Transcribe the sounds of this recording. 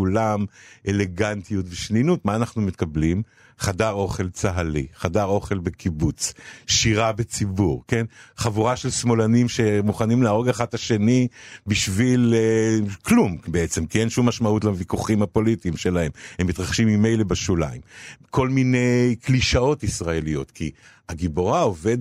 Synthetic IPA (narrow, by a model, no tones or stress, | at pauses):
ulamʔele̞ɡantijutveʃninutmaːnaχnumekablim | χadaʁo̞χe̞lt͡saɦalḭχadaʁo̞χe̞lbekibut͡sʃiʁabet͡sibuʁke̞nχavuʁaʃe̞lsmo̞lanimʃe̞muχanimlaaʁo̞ɡaχataʃe̞nibiʃvileklumbeet͡se̞mkie̞nʃumːaʃmautlavikuχimhapo̞litiːmʃe̞lahe̞mhemːitʁaχʃimimejlebaʃula̰imkʰo̞lmine̞jjkliʃao̞tisʁae̞lijo̞t̪ki | aɡibo̞ʁao̞ve̞d